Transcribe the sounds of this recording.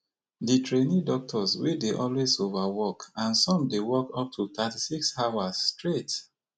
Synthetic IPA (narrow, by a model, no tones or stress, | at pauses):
ditʰɹenidɔk̚tʰɔswideʔɔlwezovawɔkãnsɔ̃mdewɔkɔp̚tʰuθatisiksawasstɹet